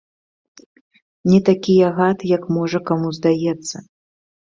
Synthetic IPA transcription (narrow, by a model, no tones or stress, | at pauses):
nʲɛt̪akʲijɐɣat̪jɐkmɔʐɐkamuzd̪ajɛt̪sːɐ